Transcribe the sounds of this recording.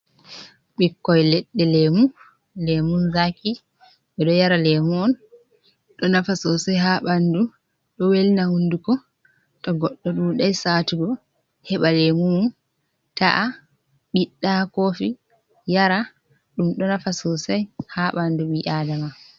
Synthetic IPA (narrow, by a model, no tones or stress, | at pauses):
ɓikːɔjlɛɗːɛlemu | lɛmunzaki | ɓɛɗɔjaɾalɛmuɔn | ɗɔnafasɔsajɦaɓandu | ɗɔwelinahundukɔ | tɔɡɔɗːɔɗuɗajsaːtuɡɔ | hɛɓalemumun | ta̰ʔa | ɓiɗːakofi | jaɾa | ɗumɗɔnafasɔsajhaɓanduwiʔaːdama